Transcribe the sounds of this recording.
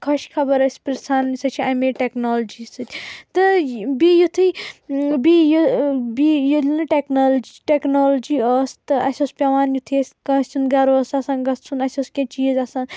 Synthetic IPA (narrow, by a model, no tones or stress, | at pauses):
kʰɐʃkʰɐbɐɾɐsʲi̥piɾsaːnsɐt͡ʃʰiɐmeʈeknoːld͡ʒisɨt̪ʰʲt̪ɨbijut̪ʰɨjbijubijolnɨʈeknoːld͡ʒiʈeknoːld͡ʒiɔːst̪ɨɐsʲospʲɐʋaːnjut̪ʰiɐsʲkɐ̃sʲt͡ʃunɡɐɾoːsɐsaːnɡɐst͡sʰunɐsʲoskẽt͡ʃiːzɐsaːn